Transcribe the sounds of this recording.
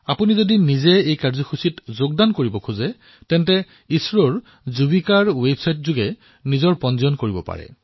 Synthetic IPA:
apunizodinizɛejkaɹzɔxʰusitzoɡ̚dankoɹibɔkʰuzɛ | tɛntɛ | isɹɔɹ | zubikaɹwebsajtzuɡɛ | nizɔɹpɔnzɔnkoɹibɔ̰pa̰ɹɛ̰

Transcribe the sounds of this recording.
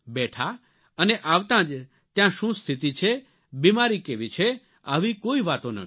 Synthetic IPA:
bɛʈʰa | əneʔaʋt̪ãd͡ʒ | t̪jãʃũst̪ʰit̪it͡ʃʰe | bimaɾikeʋit͡ʃʰe | aʋikoiʋat̪onə̰

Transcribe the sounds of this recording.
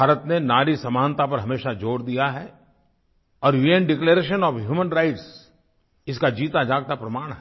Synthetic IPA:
bʱaːɾət̪nenaːɾisɐmaːnt̪ap̬ɐɾɦɐmeːʃad͡ʒoːɾd̪ijaɦɛ | ɔːɾʋiẽɳɖɪkleɾeːʃ̬ənɔːfɦjuːmənɾaɪʈs | ɪskad͡ʒiːt̪ad͡ʒaːɡ̚t̪apɾɐmaːɽ̃ɦɛ

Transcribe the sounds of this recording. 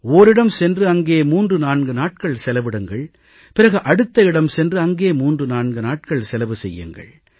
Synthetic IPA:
oːɾɪɽɐmsɛndrɯɐŋɡeːmuːndrɯnaːɳɡɯnaːʈ̚kɐɭsɛlɐʋɪɽɯŋɡɐɭ | pɪɾɐɣɯʔɐɽɯt̪ːɐɪɽɐmsɛndrɯɐŋɡeːmuːndrɯnaːɳɡɯnaːʈ̚kɐɭsɛlɐʋɯsɛjːɯ̰ŋɡɐ̰ɭ

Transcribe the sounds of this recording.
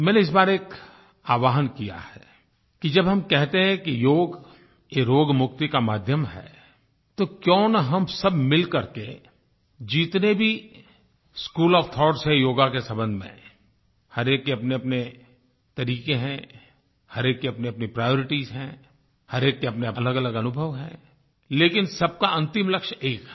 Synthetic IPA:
mɛ̃ːneɪs̬baːɾeːk | aːʋaːɦənkija̰hɛː | kid͡ʒɐbɦɐmkɛɦt̪eɦɛ̃kijoːɡ | jeɾoːɡmʊkt̪ikamaːd̪ʱjəmɦɛ̰ː | t̪okjɔ̃ːnaɦɐmsɐbmɪlkɐɾke | d͡ʒiːt̪nebʱi | skuːlɔːft̪ʰɔːʈsɦɛjoːɡakesɐ̃mbə̃nd̪ʱmḛ̃ | hɐɾeːkːeɐpneɐpne | t̪ɐɾiːkeɦɛ̃ | hɐɾeːkːeɐpneɐpnipɾaːjoːɾɪʈizɦɛ̃ | hɐɾeːkːeɐpneɐləɡɐləɡɐnʊbʱəʋɦɛ̰̃ | leːkɪnsɐb̚kaɐ̃nt̪ɪmlɐkʃeːk

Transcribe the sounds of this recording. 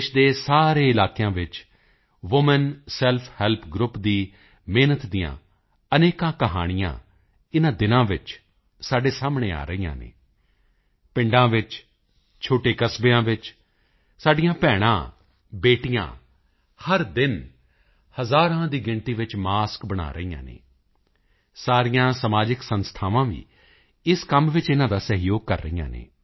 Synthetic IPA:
ʃd̪eːsaːɾeːɪlaːkejãːʋɪt͡ʃ | ʋʊmənsɛlpʰhɛːlpʰɡɾʊpd̪iː | meːnət̪d̪ɪjã̰ː | əneːkãːkəɦa̰ːɽ̃ɪjã̰ː | ɪnãːd̪ɪnãːʋɪt͡ʃ | saːɖeːsaːmɳeːa̰ːɾəijã̰ːnḛː | pɪ̃ɳɖãːʋɪt͡ʃ | t͡ʃʰoːʈeːkəsbeːãːʋɪt͡ʃ | saːɖɪjãːpɛːɽ̃ã̰ː | beːʈijã̰ː | həɾd̪ɪn | həzaːɾãːd̪iːɡɪɳt̪iːʋɪt͡ʃmaːskbəɽ̃a̰ːɾəiːjã̰ːnḛː | saːɾɪjãːsəmaːd͡ʒɪksənst̪ʰaːʋãːʋḭː | ɪskəmʋɪt͡ʃɪnãːd̪aːsəɦjoːɡ̚kəɾːəijã̰ːnḛː

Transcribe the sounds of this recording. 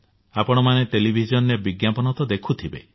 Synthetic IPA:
apɔɽ̃ɔmaneʈelibʱid͡ʒɔnjebiɡjapɔnɔt̪ɔd̪ekʰut̪ʰibḛ

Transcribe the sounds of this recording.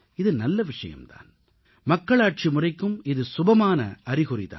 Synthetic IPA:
ɪðɯnɐlːɐʋɪʂɐ̰jɐ̰mt̪a̰ːn | mɐkːɐɭaːʈ̚t͡ʃimʊrɐɪkːɯmɪðɯsʊbɐmaːnɐ̰ʔɐrɪɣʊrɪ̰ða̰ː

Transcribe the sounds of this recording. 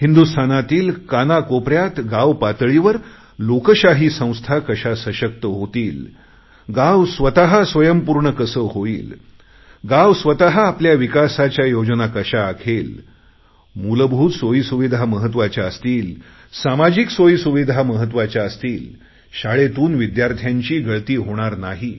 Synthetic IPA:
hind̪ust̪ʰanat̪iːlkanakopɾjat̪ɡaʋpat̪ɭiʋəɾ | lokəɕaɦiːsə̃w̃st̪ʰakəɕasəɕək̚t̪əɦot̪iːl | ɡawsʋət̪aɦasʋəjəmpuɾɳəkəsəɦoḭːl | ɡaʋsʋət̪aɦaːpljaʋikasat͡ɕjajod͡ʑnakəɕaːkʰel | muləbʱuːt̪sojsuʋid̪ʱaməɦət̪̬ːʋat͡ɕjaəst̪iːl | samad͡ʑiksojsuʋid̪ʱaməɦət̪̬ʋat͡ɕjaəst̪iːl | ɕaɭet̪uːnʋid̪jaɾt̪ʰjaɲt͡ɕiːɡəɭt̪iːɦoɽ̃aɾnaɦi

